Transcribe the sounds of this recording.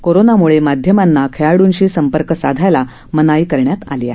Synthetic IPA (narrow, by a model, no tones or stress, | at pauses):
koɾonamuɭemad̪ʱjəmanːakʰeaɽuːnɕiːsəmpəɾkəsad̪ʱajla | mənaiːkəɾɳjat̪a̰lija̰